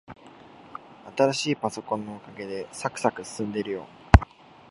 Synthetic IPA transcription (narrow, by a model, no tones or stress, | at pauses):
at̪aɾaɕiːpaso̞kõ̞nːo̞okaɡe̞d̪e̞sakɯ̟sakɯ̟sɨ̥sɨ̃nd̪e̞ɾɯ̟jo̞̰ː